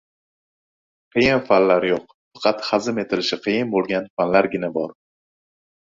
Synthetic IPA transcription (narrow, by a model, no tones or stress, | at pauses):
qʰɨjɪnfanlaɾjoq | fɑqʰɑt̪χɑzɪme̞t̪ʰɪlɪʃɪqʰɨjɪnbolˠɡʲanfanlaɾɡʲɪnabɒɾ